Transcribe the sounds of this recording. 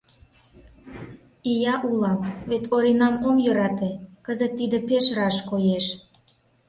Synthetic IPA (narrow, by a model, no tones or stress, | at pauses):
ijɑʔulɑmβet̪ʰoɾinɑmomjø̆ɾɑt̪ekəzət̪ːid̪ĕpeʃrɑʃkojeʃ